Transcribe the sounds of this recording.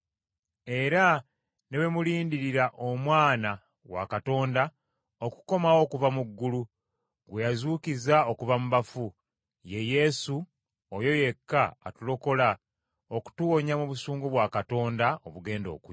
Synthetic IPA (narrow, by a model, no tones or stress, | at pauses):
e̞ɾa | ne̞βemuliːndiɾiɾaʔomwaːna | wa̰kato̞ːnda | oku̥ko̞mawo̞kuvamuɡːulu | ɡwejazuːkizao̞kuvamuβafu | je̞je̞su | ojo̞je̞kːa̰ːtulo̞ko̞la | oku̥tuwo̞ɲamuβusuːŋɡoβwakato̞ːndaoβuɡe̞ːndo̞̰ku